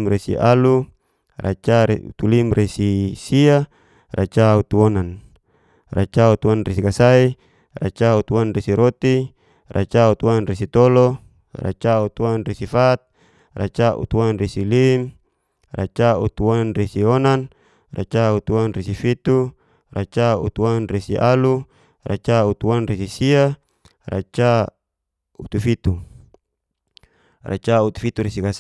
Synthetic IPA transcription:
mɾesḭʔalu | ra̰t͡ʃaṵt̪ulimresisia | rʔa̰t͡ʃaut̪uɔnan | rat͡ʃaut̪uanresikasai | ra̰t͡ʃaut̪uanresiɾot̪i | ra̰t͡ʃaut̪uanres̬it̪ɔlɔ | ra̰t͡ʃaut̪uanresifat̪̚ | ra̰t͡ʃaʔṵt̪uanresilim | ra̰t͡ʃaut̪uanresiɔnan | ra̰t͡ʃaut̪uanrisifit̪u | ra̰t͡ʃaṵt̪uanresiʔalu | ra̰t͡ʃaut̪uanresisia | ra̰t͡ʃa | ut̪ufit̪u | ra̰t͡ʃaut̪u̥fit̪uɾisikas

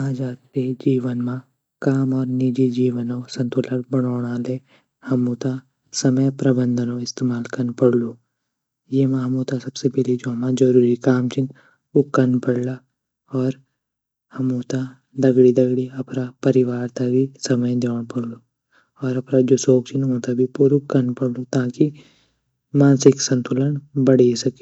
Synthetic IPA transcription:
aːd͡ʒaːt̪ed͡ʒiːʋənmã | kaːmɔːɾnid͡ʒid͡ʒiːʋənõsɐ̃nt̪ʊləɽbəɽ̃oːɽ̃aːle | hɐmũt̪a | sɐməjpɾɐbə̃nd̪ʱənõɪst̪eːmaːlkɐɾnpɐɽloː | jemãɦɐmũt̪asɐbsebɛlid͡ʒoːmãd͡ʒɐɾuːɾikaːmt͡ʃɪn | ukːɐnpɐɽla | ɔːɾ | hɐmuːt̪a | d̪ɐɡɽid̪ɐɡɽiɐpɾapɐɾɪʋaːɾt̪abʱisɐməjd̪eːnpɐɽloː | ɔːɾɐpnad͡ʒosoːkt͡ʃʰɪnmoːt̪abʱipuːɾʊkːɐɾnpɐɽlot̪aːki | mãːnsɪksɐ̃nt̪ʊlənbɐɽesɐke

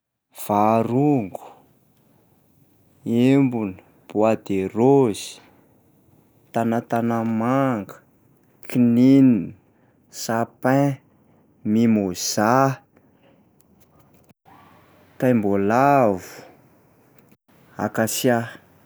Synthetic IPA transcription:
v̥aɾuŋɡu̥ | embuni | b̥uad̪eroz̥i̥ | t̪anat̪anamaŋɡə̥ | kʰininin | sapɛ̃ | mimoz̥a | t̪ajmbolavu̥ | a̰kasja

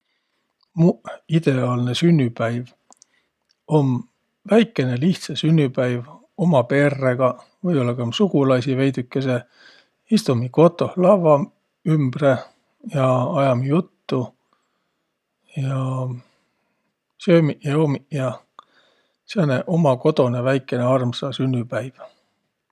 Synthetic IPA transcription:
muid̪̥e̞ɑːlne̞synʲːypæjv | o̞m | væjkːˑe̞ne̞liht̪sesynʲːypæjv | o̞mɑpe̞ːrːeɡ̥ɑ | vɤjo̞lːɑkɑmsuɡulɑsive̞jd̪ykːˑe̞se̞ | ist̪umiko̞t̪ːˑo̞hlɑvɑ | ymbre̞ | jɑɑjɑmjut̪ːu | jɑ | søːmijeomijɑ | seneʔo̞mɑko̞t̪o̞nevæjkːˑe̞ne̞ɑrmsɑsynʲːypæjv̥

